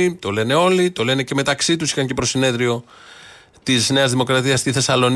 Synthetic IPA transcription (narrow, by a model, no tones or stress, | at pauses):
it̪o̞le̞ne̞o̞lit̪o̞le̞ne̞ceme̞t̪ɐksit̪usi̥xɐɲce̞pɾo̞sine̞ðɾio̞ | t̪izne̞ɐzðimo̞kɾɐt̪iɐst̪iθe̞sɐlo̞n